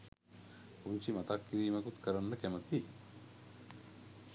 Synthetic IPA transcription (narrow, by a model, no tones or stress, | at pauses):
uɲt͡ʃimɐt̪akːiɾiːmɐkut̪kəɾanːəkæmət̪i